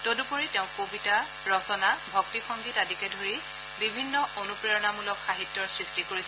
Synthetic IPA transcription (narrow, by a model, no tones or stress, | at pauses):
todupoɹitɛʊ̃kobita | ɹɔsɔnabʱɔk̚tikʰɔŋɡitadikɛdʱoɹi | bibʱinːɔonupɹɛɹɔnamulɔkʰːaɦitːɔɹsɹistikoɹisɛ